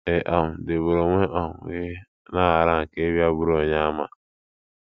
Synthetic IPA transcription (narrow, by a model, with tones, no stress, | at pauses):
e˨ʔɔ˨m̩˨de˨bo˨ɾo˨ŋʷe˦ʔɔ˨m˨ɣe˦ | na˦a˨ɾa˦˨ŋ̩˨ke˦bja˦bu˦ɾo˨ɲa˦ma̰˨